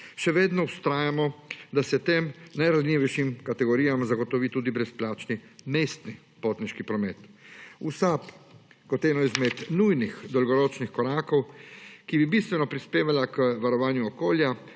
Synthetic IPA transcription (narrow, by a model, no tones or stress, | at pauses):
ʃɛʋeːd̪nɔust̪ɾaːjamɔd̪asɛt̪eːmnajɾazlʲiʋɛjʃimkat̪ɛɡɔɾiːjamzaɡɔt̪ɔʋit̪uːd̪ibɾɛsplaːt͡ʃnimeːst̪ni | poːt̪niʃkipɾɔmeːt̪usap | kɔt̪ɛːnɔizmɛt̪nujnixd̪ɔlɡɔɾɔt͡ʃnixkɔɾaːkɔwkibibist̪ʋɛnɔpɾispeːʋalakəʋaɾɔʋaːnjuɔkoːlja